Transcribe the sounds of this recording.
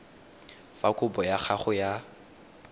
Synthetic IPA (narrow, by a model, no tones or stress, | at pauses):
fakʼʊbɔjak͡xʰaχʊja